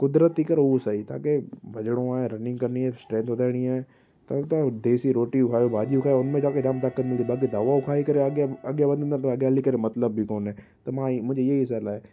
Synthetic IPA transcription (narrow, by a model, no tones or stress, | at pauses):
kʊd̪ɾət̪ːikəɾosait̪ã̰ːkebʱɐd͡ʒɽ̃õaːẽɾɐnɪ̃ŋɡkɐɾniaːsʈɾɛ̃ːnt̪ʋɐd̪ʱaːɪɽ̃iaːẽ | t̪ɐt̪ãd̪eːsiɾoːʈiʊkʰaːjobʱaːd͡ʒiʊkʰaːeʊnmẽd͡ʒaːked͡ʒaːmt̪aːkːət̪̚mɪld̪ibaːked̪aːʋaʊkʰaːikɐɾeɡjaɐɡjabɐ̃nd̪̃ʱnd̪at̪ɐɡjaːlikɐɾemɐt̪ləbːikoːnɦɛː | t̪ɐmãːmʊ̃ɲd͡ʒeeiɪs̬aːlaːe